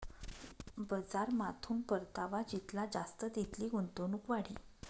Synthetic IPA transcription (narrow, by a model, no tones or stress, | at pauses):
bəd͡zaɾmat̪ʰuːnpəɾt̪aʋad͡ʑit̪lad͡zast̪əd̪it̪liːɡunt̪onukʋaɽ̤ḭː